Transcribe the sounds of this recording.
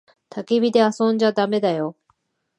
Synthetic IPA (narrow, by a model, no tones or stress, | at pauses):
t̪ʰakebʲid̪e̞asoːɲd͡ʑad̪ame̞d̪ajo